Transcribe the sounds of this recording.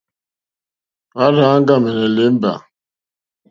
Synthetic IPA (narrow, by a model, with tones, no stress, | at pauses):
pa˦ɾa˦ŋ˦ɡa˦˨mɛ˨nɛ˨le˨˦m˦ba̰˨